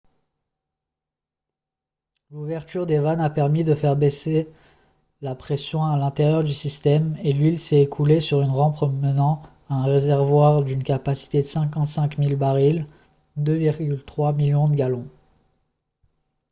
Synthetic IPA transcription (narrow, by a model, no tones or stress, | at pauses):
luvɛʁt̪yʁd̪evanapɛʁmid̪əfɛʁbese | lapχesjɔ̃alɛ̃t̪eʁjœʁd̪ysist̪ɛmelɥilsɛekʰulesyʁynʁɑ̃pχəmənɑ̃ | aɛ̃ʁezɛʁvwaʁd̪ynkapasi̥t̪ed̪əsɛ̃kɑ̃t̪sɛ̃kmilbaʁil | d̪øviʁɡʲylt̪χwamiljɔ̃d̪əɡalɔ̃